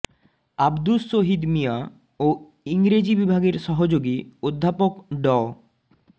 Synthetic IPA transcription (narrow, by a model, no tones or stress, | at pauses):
abd̪usoɦid̪mija | o | iŋɾed͡ʑibibʱaɡeɾʃɔɦod͡ʑoɡiod̪ʱːapokɖɔ